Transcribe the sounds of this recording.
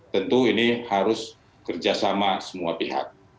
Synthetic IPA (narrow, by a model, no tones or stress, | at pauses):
t̪ənt̪uinihaɾʊs | kərd͡ʒasamasəmuapiɦa̰k̚